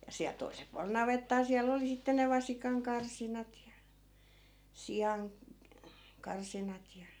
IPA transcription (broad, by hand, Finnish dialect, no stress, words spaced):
jɑ siæl̆ toisel puɑlel nɑʋetːɑː siælː oli sitːe ne ʋɑsikɑŋkɑrsinɑt jɑ sijɑn kɑrsinɑt jɑ